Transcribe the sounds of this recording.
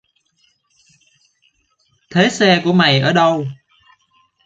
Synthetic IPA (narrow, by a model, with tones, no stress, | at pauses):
t̪ʰe˨˦sɛ˧ku˧˩əma˨˩jʔəː˧˩ɗə˧w